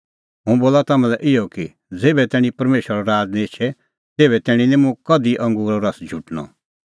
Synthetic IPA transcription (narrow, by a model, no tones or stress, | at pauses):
ɦũboːlat̪aːmɛ̃lɛʔɪjɔki | d͡zeːbɛt̪ɛːɽ̃ĩpɐɾmeːʃəɾɔɾaːd͡znĩt͡ʃʰɛ | t̪eːbɛt̪ɛːɽ̃ĩnɛ̃mũkɐd̪iʔɐ̃ŋɡuːɾɔɾɐsd͡ʒʱuʈnɔ̰̃